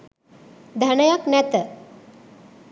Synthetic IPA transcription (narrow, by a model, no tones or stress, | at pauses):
d̪ʱanəjaknæt̪ə